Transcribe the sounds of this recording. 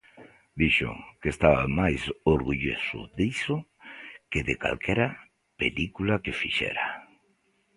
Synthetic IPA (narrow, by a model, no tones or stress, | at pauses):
d̪iʃʊ̰kest̪aβa̰majsoɾɣuʎo̰sʊ̰ðisʊkeðɪka̰lkʰɛɾa | pelikulakefiʃɛ̰ɾa